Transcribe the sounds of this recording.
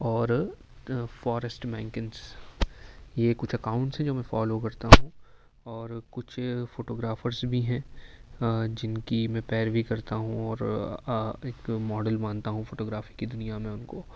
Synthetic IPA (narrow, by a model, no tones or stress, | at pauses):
ɔːɾ | fɔːɾəsʈmɛ̃ːŋkɪns | jekʊt͡ʃʰɐkaːʊ̃ɳʈsɦɛ̃d͡ʒoːmɛ̃fɔːlokɐɾt̪aɦũ | ɔːɾkʊt͡ʃʰfoːʈoːɡɾaːfəɾzbʱiɦɛ̃ː | d͡ʒɪnkimɛ̃ːpɛːɾbʱikɐɾt̪aɦũɔːɾ | eːkmɔːɖəlmãːnt̪aɦũfoːʈoːɡɾaːfikid̪ʊnijamẽʊnkoː